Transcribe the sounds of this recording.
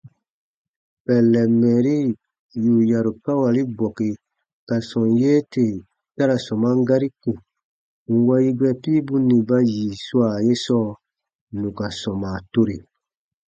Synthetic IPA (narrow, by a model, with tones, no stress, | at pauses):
pɛ˨lːɛ˨mːɛ˨ɾi˦ | ju˨ja˨ɾu˨ka˦wa˨li˦bɔ˨ke˨ | ka˨sɔ̃˨njeː˦te˨ | ta˦ɾa˨sɔ̃˨ma˦ŋ˦ɡa˦ɾi˦ku˨ | ŋ̩˨wa˦ji˦ɡɛ˦pi˦bũ˦nĩ˨ba˦jiː˨su˦a˨je˦sɔː˦ | nũ˨ka˨sɔ̃˨maː˨to˦ɾe˨